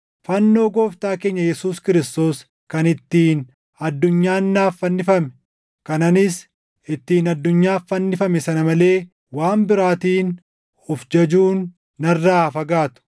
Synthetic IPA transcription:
fɐnːo̞ːɡo̞ːft̪aːke̞ːɲːɐjɛsuːskɪɾɪst̪o̞ːs | kɐnɪt̪ːiːn | ɐd̪ːʊɲːaːnːaːfːɐnːɪfɐmɛ̥ | kɐnɐnɪs | ɪt̪ːiːnɐd̪ːʊɲːaːfːɐnːɪfɐmɛsɐnɐmɐle̞ː | waːmbɪɾaːt̪iːn | ɔfd͡ʒɐd͡ʒuːnː | ɐrːaːfɐɡaːt̪ʊ̥

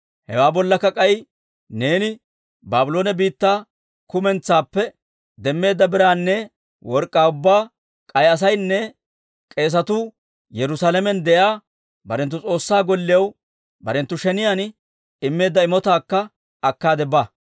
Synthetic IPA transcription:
hɛwaːbɔlːɐkːɐkʼɐj | ne̞ːnɪ | baːbʊlo̞ːnɛbiːt̪ːaː | kʊmɛnt͡sːaːpːɛ | d̪ɛmːe̞ːd̪ːɐbɪɾaːnːɛ | wɔɾkʼːaːʊbːaː | kʼɐjɐs̬ɐjnːɛ | kʼe̞ːs̬ɐt̪uː | jɛɾʊsaːlɛmɛnd̪ɛʔaː | bɐɾɛnt̪̬ːʊt͡sʼo̞ːsːaːɡɔlːɪjɐw | bɐɾɛnt̪ːʊʃɛnɪjan | ɪmːe̞ːd̪ːɐɪmɔt̪aːkːɐ | ɐkːaːd̪ɛbaː

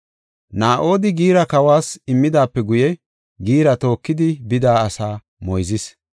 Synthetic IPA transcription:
naːʔo̞ːd̪ɪɡiːɾɐkɐwaːsɪmːɪd̪aːpːɛɡʊjɛ | ɡiːɾɐt̪o̞ːkːɪd̪ɪbɪd̪aːɐsaː | mɔjzɪs

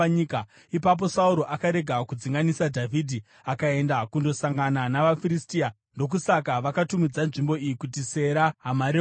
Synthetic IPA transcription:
ika | ipap̬o̞sauɾo̞ʔakaɾe̞ɡʱakud͡ziŋɡanisadʱavʱidʱi | akae̞ndakundo̞saŋɡananaʋafiɾistiːa | ndo̞k̬usakaʋakatumid͡zanʐimbo̞ijikutise̞ɾaɦamaɾe

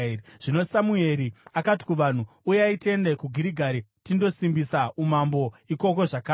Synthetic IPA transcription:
ʐ̥ino̞samue̞ɾiakati̥kuʋan̤u | ujeaite̞nde̞kuɡʱiɾiɡʱaɾitindo̞simbisaumambo̞iko̞ko̞ʐaka

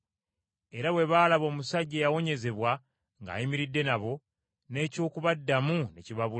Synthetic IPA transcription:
e̞ɾaβwe̞βaːlaβo̞ːmusaɟːejawo̞ɲe̞ze̞βwa | ŋɡa̰ːjimiɾidːe̞naβo̞ | ne̞ːco̞ːkuβadːamuneciβaβul

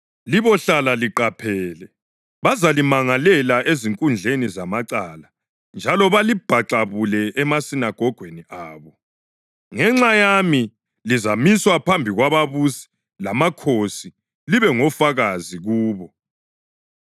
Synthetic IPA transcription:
liβɔɬalaliǃapʰɛːlɛ | βazalimaŋalɛlaʔeziŋkʼund͡ɮʱenizamaǀala | nd͡ʒʱalɔβalib̥ʱaǁaβulɛʔɛmasinaɡ̥ʱɔɡ̥ʱweniʔaːβɔ | ŋɛŋ͡ǁajami | lizamiswapʰambʱiɣwaβaβusi̥ | lamakʰosi | liβɛŋɔfaɣaziɣuːβɔ

